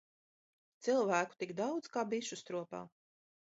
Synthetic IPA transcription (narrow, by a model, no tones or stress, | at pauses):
t̪silˠvæːku̥t̪iɡd̪awd̪zkaːbiʃust̪ɾuɔpa̰ː